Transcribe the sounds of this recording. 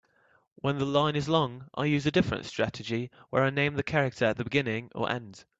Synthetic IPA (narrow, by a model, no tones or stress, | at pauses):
wə̃nðəlãɪ̃nɪzlɔ̃ŋʔa̰ɪjʉːzədɪfɹə̰̃ntstɹ̥atɪd͡ʒiwə̰ɹaɪnẽɪ̃mðəkʰaɹɪk̚tʰə˞əʔ̪̚ðəbɪɡɪ̃nɪ̃ŋə̰˞ʔɛ̰̃nd̥